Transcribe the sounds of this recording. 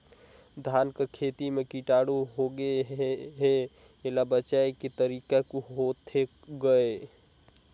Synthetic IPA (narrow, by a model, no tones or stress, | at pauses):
d̪ʱankekʰet̪imekiʈaːɽuɦoɡeɦe | elabət͡ʃaeket̪əɾikakuɦot̪ʰe | ɡəe